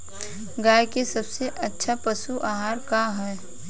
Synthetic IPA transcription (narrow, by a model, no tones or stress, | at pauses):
ɡaːjkesɐbseʔɐtːʃʰapɐsuʔaːɦaːɾkaɦɛː